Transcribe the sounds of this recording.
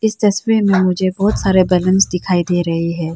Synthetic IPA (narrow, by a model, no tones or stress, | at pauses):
ɪst̪ɐsʋemẽmʊd͡ʒʱebɔːt̪saːɾebɛːlə̃nsd̪ɪkʰaːid̪eːɾɐɦiɦɛː